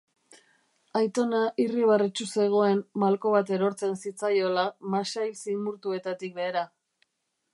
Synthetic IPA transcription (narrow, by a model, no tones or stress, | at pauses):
ajt̪o̞naʔiriβ̞aret͡ʃuse̞ɣ̞o̞e̞mːalko̞βat̪e̞ɾo̞ɾt͡se̞nsit͡sajo̞lamasajlsimuɾt̪ue̞t̪at̪ik̚be̞ːɾa